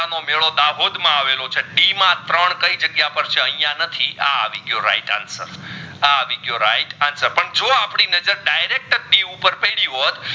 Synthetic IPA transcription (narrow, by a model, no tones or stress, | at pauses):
anomeɭod̪aɦod̪mãaʋelot͡ʃʰeɖimãt̪ɾəɳkəid͡ʒəɡjapəɾt͡ʃʰeə̃ɦĩjãnət̪ʰia̰ʋiɡjoɾa̰iʈa̰nsə̰ɾaʋiɡjoɾa̰iʈansəɾpəɳd͡ʒoapɳinəd͡ʒəɾɖajɾek̚ʈət̚ɖiupəɾpəjɽiɦot̪